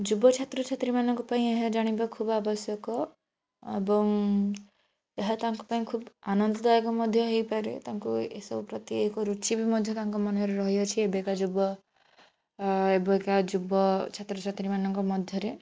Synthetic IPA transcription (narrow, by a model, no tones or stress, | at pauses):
d͡ʒubɔt͡ʃʰat̪ɾɔt͡ʃʰat̪ɾimanɔŋkupaĩeɦad͡ʒaɽ̃ibakʰubabɔsjɔkɔ | ebɔŋ | eɦat̪aŋku̥paĩkʰubanɔnd̪ɔd̪ajekɔmɔd̪ʱjɔɦejpaɾḛt̪aŋkuesɔbupɾɔt̪iekɔɾut͡ʃibimɔd̪ʱjɔt̪aŋkɔmɔnɔɾeɾɔɦiɔt͡ʃʰiebekad͡ʒubɔ | ebɔekad͡ʒubɔt͡ʃʰat̪ɾɔt͡ʃʰat̪ɾimanɔŋkɔmɔd̪ʱjɔɾe